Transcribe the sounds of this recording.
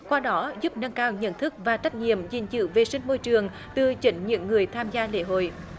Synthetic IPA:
kwaː˧ɗɔ˨˦zu˦˥p̚nə˧ŋkaː˧wɲə̰˧˥nt̪ʰɨ˦˥k̚vaː˨˩t͡ɕa˦˥k̟̚ɲḭ˧˨əmzï˨˩ŋ̟zɨ̰˧˨ve˨˩sï˧ŋ̟mo˧jt͡ɕɨ˨˩əŋ | t̪ɨ˨˩t͡ɕï˨˦ŋ̟ɲɨ̰˧˥ŋːɨ˨˩əjt̪ʰaː˧mzaː˧lḛ˧˥ɦo̰˧˨j

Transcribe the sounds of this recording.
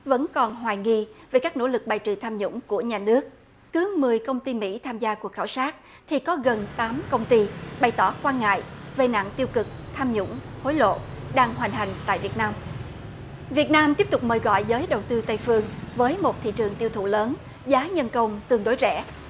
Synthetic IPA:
və̰˧˥nkɔ˨˩nɦwaː˨˩jŋi˧ve˨˩kaː˦˥k̚no̰˧˥lɨ˨˩k̚ɓaː˨˩jt͡ɕɨ̰˧˨˩t̪ʰaː˧mɲʊ̰˧˥ŋ͡mku˧˩əɲaː˨˩nɨ˦˥ək̚ː | ɨ˨˦mɨ˨˩əjkə˧wŋ͡mt̪i˧mḭ˧˥t̪ʰaː˧mzaː˧ku˨˩ək̚xaː˧˩wsaː˦˥t̚ | t̪ʰi˨˩kɔ˨˦ɣə˨˩nt̪aː˨˦mkə˧wŋ͡mt̪i˧ɓa˨˩jt̪ɔ˧˩kwaː˧nŋa̰ː˧˨jve˨˩na̰˧˨ŋt̪i˧əwkɨ˨˩k̚t̪ʰaː˧mɲʊ̰˧˥ŋ͡m | ho˨˦jlo̰˧˨ | ɗaː˧ŋɦwaː˨˩ŋ̟t̪ʰa˨˩jŋ̟t̪a̰ː˧˨jvi˨˩ət̚naː˧m | vi˨˩ət̚naː˧mt̪i˦˥p̚t̪ʊ˨˩k͡p̚məː˨˩jɣɔ̰˧˨jzəː˨˦jɗə˨˩wt̪ɨ˧t̪ə˧jfɨ˧əŋvəː˨˦jmo˨˩t̚t̪ʰḭ˧˨t͡ɕɨ˨˩əŋt̪i˧əwt̪ʰṵ˧˨ləː˨˦n | zaː˨˦ɲə˧nkə˧wŋ͡mt̪ɨ˧˩əŋɗo˨˦jt͡ɕɛ̰˧˩˥

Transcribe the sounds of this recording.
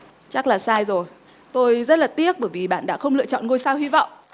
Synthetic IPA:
t͡ɕa˦˥k̚laː˨˩saː˧jzo˨˩j | t̪o˧jzə˦˥t̚laː˨˩t̪i˦˥ək̚ɓəː˧˩jvi˨˩ɓa̰ː˧˨nɗa̰ː˧˥xə˧wŋ͡mlɨ̰˧ət͡ɕɔ̰˧˨nŋo˧jsaː˧whi˧va̰˧˨wŋ͡mʔ

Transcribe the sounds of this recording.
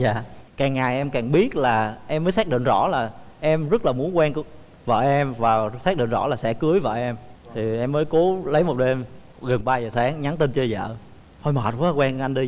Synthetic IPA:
za̰ː˧˨kaː˨˩ŋːa˨˩jʔɛ˧mkaː˨˩ŋɓi˦˥ət̚laː˨˩ʔɛ˧mːə˨˦jsɛ˦˥k̚ɗḭ˧˨nzɔ̰˧˥laː˨˩ʔɛ˧mzə˦˥t̚laː˨˩mu˨˦ənkwɛ˧nk | və̰ː˧˨ʔɛ˧mvaː˨˩sɛː˦˥ɗḭ˧˨nzɔ̰˧˥˩laː˨˩sɛ̰˧˥kɨ˨˦əjvə̰ː˧˨˩ʔɛ˧mt̪ʰi˨˩ʔɛ˧mːəː˨˦jko˨˦lə˨˦jmo˨˩t̚ɗe˧m | ɣə˨˩nɓaː˧zəː˨˩saː˨˦ŋɲa˨˦nt̪i˧nt͡ɕə˧zə̰ː˧˨ | hɔ˧jməː˨˩t̚vkwɛ˧ŋʔa˧jnɗi˧

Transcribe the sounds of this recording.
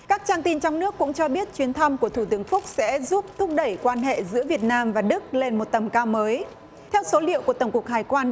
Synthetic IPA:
kaː˦˥k̚t͡ɕaː˧ŋt̪i˧nt͡ɕɔ˧wŋ͡mnɨ˦˥əkːʊ̰˧˥ŋ͡mt͡ɕɔ˧ɓi˦˥ət̚t͡ɕwi˨˦ənt̪ʰa˧mku˧˩ət̪ʰu˧˩t̪ɨ˨˦əŋfʊ˦˥k͡p̚sɛ̰˧˥zu˦˥p̚t̪ʰʊ˦˥k͡p̚ɗə˧˩jkwaː˧nɦḛ˧˨zɨ̰˧˥əvi˨˩ət̚naː˧mvaː˨˩ɗɨ˦˥k̚le˧nmo˨˩t̚t̪ə˨˩mkaː˧wməː˨˦j | t̪ʰɛ˧wso˨˦lḭ˧˨əwku˧˩ət̪ə˧˩wŋ͡mku˨˩ək̚haː˨˩jkwaː˧n

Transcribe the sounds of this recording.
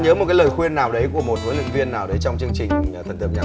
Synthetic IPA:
ɲəː˨˦mo˨˩kaː˨˦ləː˨˩jxwi˧ənːaː˨˩wɗə˨˦jkku˧˩əmo˨˩t̚huː˨˦nlɨ̰˧˨ŋvi˧ənːaː˨˩wɗə˨˦jt͡ɕɔ˧wŋ͡mt͡ɕɨ˧ŋt͡ɕï˨˩ŋ̟ʰ˨˩ə˨˩nt̪ɨ̰˧˨ɲaː˨˩

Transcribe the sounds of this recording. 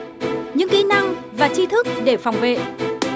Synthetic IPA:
ɲɨ̰˧˥ŋki˧na˧ŋvaː˨˩t͡ɕi˧t̪ʰɨ˦˥k̚ɗe˧˩fa˨˩wŋ͡mvḛ˧˨

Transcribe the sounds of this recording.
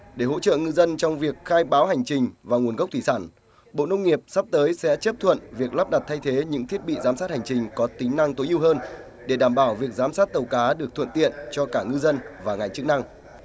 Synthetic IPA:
ɗe˧˩ɦo̰˧˥t͡ɕə̰ː˧˨ŋɨ˧zə˧nt͡ɕɔ˧wŋ͡mvi˨˩ək̚xaː˧jɓaː˨˦wɦa˨˩jŋ̟t͡ɕï˨˩ŋ̟vaː˨˩ŋwənɣə˦˥k͡p̚t̪ʰi˧˩saː˧˩n | ɓo̰˧˨nə˧wŋ͡mŋi˨˩əp̚sa˦˥p̚t̪əː˨˦jsɛ̰˧˥t͡ɕə˦˥p̚t̪ʰwə̰˧˨nvi˨˩ək̚la˦˥p̚ɗa˨˩t̚t̪ʰa˧jt̪ʰe˨˦ɲɨ̰˧˥ŋt̪ʰi˦˥ət̚ɓḭ˧˨zaː˨˦msaː˦˥t̚ha˨˩jŋ̟t͡ɕï˨˩ŋ̟kɔ˨˦t̪ï˨˦ŋ̟na˧ŋt̪o˨˦jʔi˧əwɦəː˧n | ɗe˧˩ɗaː˧˩mɓaː˧˩wvi˨˩ək̚zaː˨˦msaː˦˥t̚t̪ə˨˩wkaː˨˦ɗɨ˨˩ək̚t̪ʰə̰˧˨nt̪ḭ˧˨ənt͡ɕɔ˧kaː˧˩ŋɨ˧zə˧nvaː˨˩ŋa˨˩jŋ̟t͡ɕɨ˦˥k̚na˧ŋ

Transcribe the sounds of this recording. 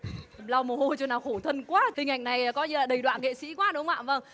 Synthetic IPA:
la˧wmo˨˩ho˧jt͡ɕo˧naː˨˩wxo˧˩t̪ʰə˧nkwaː˦˥hï˨˩ŋ̟ʔa˨˩jŋ̟na˨˩jkɔ˨˦ɲɨ˧laː˨˩ɗə˨˩jɗwa̰ː˧˨nŋḛ˧˨sḭ˧˥kwaː˨˦ɗʊ˨˦wŋ͡ma̰ː˧˨və˧˩ŋ

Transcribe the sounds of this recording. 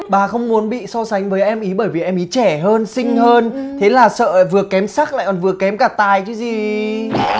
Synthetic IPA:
ɓaː˨˩xə˧wŋ͡mmu˨˦ənɓḭ˧˨sɔ˧sa˨˦ŋ̟vəː˨˦jʔɛ˧mʔi˨˦ɓəː˧˩jvi˨˩ʔɛ˧mʔi˨˦t͡ɕɛ˧˩ɦəː˧nsï˧ŋ̟həː˧nt̪ʰe˨˦laː˨˩sə̰ː˧˨vɨ˨˩əkɛ˨˦msaː˦˥k̚la̰ː˧˨kɔ˨˩nvɨ˨˩əkɛ˨˦mkaː˧˩t̪aː˨˩jt͡ɕɨ˨˦zi˨˩

